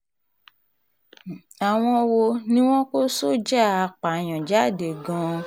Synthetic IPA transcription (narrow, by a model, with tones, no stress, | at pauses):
a˨w̃ɔ̃˧wo˧nĩ˦w̃ɔ̃˦ko˦so˦˨d͡ʒa˦˨a˨˧˨k͡pa˨j̃ɔ̃˨d͡ʒa˨˦˨de˨ɡã˧